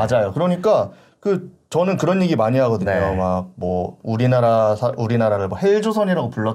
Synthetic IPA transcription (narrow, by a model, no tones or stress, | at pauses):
ad͡ʑajokɯɾʌɲik͈a | kɯ | t͡ɕʌnɯnkɯɾʌnjiɡimaɲiɦaɡʌdɯɲejomaɡ̚mwʌuɾinaɾasʰauɾinaɾaɾɯɭmwʌheɭd͡ʑosʰʌɲiɾaɡopuɭːʌ